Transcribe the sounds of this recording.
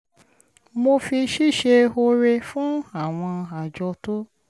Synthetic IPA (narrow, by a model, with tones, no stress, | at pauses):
mo˧fi˧ʃi˦˨ʃe˧o˧ɾe˧fũ˦a˦˨w̃ɔ̃˧a˨d͡ʒɔ˧to˦